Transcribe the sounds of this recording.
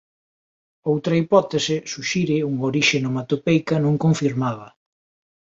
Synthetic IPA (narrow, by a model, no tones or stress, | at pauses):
owt̪ɾɐipɔt̪esɪsuʃiɾɪuŋoɾiʃenomat̪opɛjkɐnõŋkõɱfiɾmaβɐ